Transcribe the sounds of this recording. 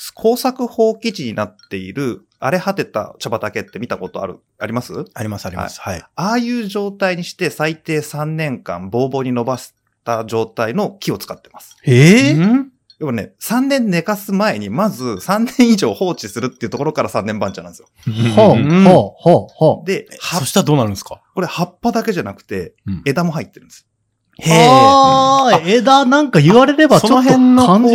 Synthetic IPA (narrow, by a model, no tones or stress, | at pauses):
kʰo̞ːsakɯ̟ho̞ːkʲit͡ɕiɲ̟inat̪ːe̞iɾɯ̟ | aɾe̞hat̪e̞t̪a̰t͡ɕabat̪ake̞t̪ːe̞mʲit̪ako̞t̪o̞a̰ɾɯ̟̰ | aɾʲimasɨaɾʲimasaɾʲihaa̰ḭsaiaːjɯ̟ːʑo̞ːt̪aiɲ̟iɕi̥t̪e̞sait̪e̞ːsãnːẽ̞ŋkã̰mbo̞ːbo̞ːɲ̟ino̞basi̥ | t̪aʑo̞ːt̪aino̞kʲio̞t͡sɨ̥kat̪ːe̞̥masɨ̥ | jaβane̞̰sãnːẽ̞nːe̞kasɨmae̞ɲ̟imazɨsãnːẽ̞ɰ̃iʑo̞ːho̞ːt͡ɕisɨɾɯ̟t̪ːeiɯ̟t̪o̞ko̞ɾo̞kaɾasãnːẽ̞mbãɲt͡ɕananesɨjooohohod̪e̞haoɕi̥t̪ad̪oːnaɾɯ̃nsɨ̥kako̞ɾe̞hapːad̪ake̞ʑanakɯ̟̥t̪e̞̰ed̪amo̞ɦait̪ːe̞ɾɯ̟̃nd̪esɨ̥o | a | ed̪anãŋkajɯβaɾe̞ɾe̞basooɦẽnːoã